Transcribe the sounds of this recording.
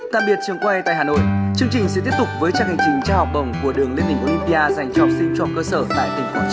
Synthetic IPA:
ɗ̪a̰ː˧˩k̚ɓi˨˩ət̚t͡ɕɨ˧˩əŋkwa˧t̪a̰ː˧˨haː˨˩no̰˧˨jt͡ɕɨ˧əŋt͡ɕï˩ŋ̟sɛ̰˧˥t̪i˦˥əp̚t̪k͡p̚vəː˨˦jt͡ɕaː˧˩ŋhŋ̟t͡ɕï˨˩ŋ̟t͡ɕaː˧hɔ˨˩wk͡p̚ɗə̰˨˧˩wŋ͡mku˧˩əɗɨ˨˩əŋli˧nï˧˩ŋʔo˧li˧mpi˧ʔaː˧za˨˩jŋ̟t͡ɕɔ˦˥p̚sḭ˧˥ŋt͡ɕɔ˧kəː˧səː˧˩t̪a̰ː˧˨jt̪ï˧˩ŋ̟fəː˨˦˩t͡ɕ

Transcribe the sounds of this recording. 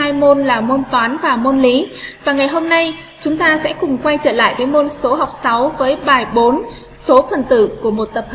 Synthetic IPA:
aː˧jmo˧nlaː˨˩mo˧nt̪waː˨˦nvaː˨˩mo˧nli˨˦vaː˨˩ŋa˨˩jɦo˧mna˧j | t͡ɕʊ˨˦ŋ͡mt̪aː˧sɛ̰˧˥kʊ˨˩ŋ͡mkwa˧jt͡ɕə̰ː˧˩la̰ː˧˨jɗə˨˦mo˧nso˨˦ɦa˨˩wk͡p̚sa˨˦wvəː˨˦jɓaː˨˩jɓo˨˦n | so˨˦fə˨˩nt̪ɨ̰˧˨ku˧˩əmo˨˩t̚t̪ə˨˩p̚h

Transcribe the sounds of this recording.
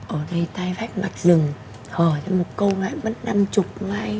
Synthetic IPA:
ʔəː˧˩ɗə˧jt̪aː˧jfa˦˥k̚ma˨˩t̚zɨ˨˩ŋ | həː˧˩t͡ɕːmo˨˩t̚kə˧wŋa̰ː˧˨jmə˦˥t̚na˧mt͡ɕʊ˨˩k͡p̚ŋaː˧j

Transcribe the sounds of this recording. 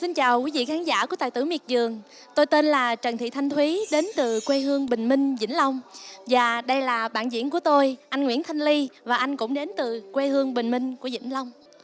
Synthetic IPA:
si˧nt͡ɕaː˨˩wkwi˨˦vḭ˧˨xaː˨˦nza̰ː˧˩ku˧˩ət̪a̰ː˧˨t̪ɨ˧˩mi˨˩ət̚zɨ˨˩əŋ | t̪o˧jt̪e˧nlaː˨˩t͡ɕə˨˩nt̪ʰḭ˧˨t̪ʰa˧jŋ̟t̪ʰwi˨˦ɗe˨˦nt̪ɨ˨˩kwe˧ɦɨ˧əŋɓï˨˩ŋ̟mï˧ŋ̟zḭ˧˥ŋ̟la˧wŋ͡mvaː˨˩ɗə˧jlaː˨˩ɓa̰ː˧˨nzḭ˧˥ənk̬u˧˩ət̪o˧jʔa˧jŋ̟ŋwḭ˧˥ənt̪ʰa˧jŋ̟li˧vaː˨˩ʔa˧jŋ̟kʊ̰˧˥ŋ͡mɗe˨˦nt̪ɨ˨˩kwe˧hɨ˧əŋɓï˨˩ŋ̟mï˧ŋ̟ku˧˩əzḭ˧˥ŋ̟la˧wŋ͡m

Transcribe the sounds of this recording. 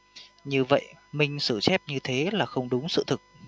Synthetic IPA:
ɲɨ˧və̰˧˨jʔmï˧˩ŋ̟sɨ̰˧˩sɛ˦˥p̚ɲɨ˧t̪ʰe˨˦laː˨˩xə˧wŋ͡mɗʊ˨˦ŋ͡msɨ̰˧˨t̪ʰɨ˨˩k̚

